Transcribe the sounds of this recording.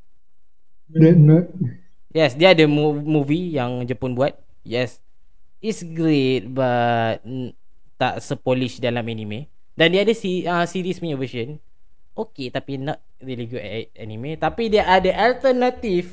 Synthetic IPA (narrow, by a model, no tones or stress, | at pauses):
dɛnɔt̚ | jɛsdiadəmumuvijaŋd͡ʒəpʊnbuat̪̚ | jɛs | itsɡɾet̚bat̚ | t̪aʔsəpɔliʃdalamɛnime | dandiadəsiə̃siɾisminivəʃən | ʔoket̪apinɔt̚ | ɹiliɡuʔɛʔɛt̚ɛnimet̪apidɛʔadəʔalt̪ənat̪if